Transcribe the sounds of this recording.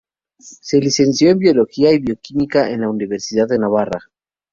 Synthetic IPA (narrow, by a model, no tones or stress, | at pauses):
se̞lise̞nsjoembjo̞lo̞xiaiβjo̞kimikaʔḛnlauniβe̞ɾsiðaðenaβara̰